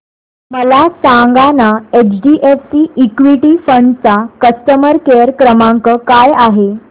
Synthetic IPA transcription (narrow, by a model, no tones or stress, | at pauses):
məlasaŋɡanaet͡ɕɖiʔefsiʔikʋiʈifəɳɖt͡sakəst̪əməɾkeəɾkɾəmãŋkəkajaɦe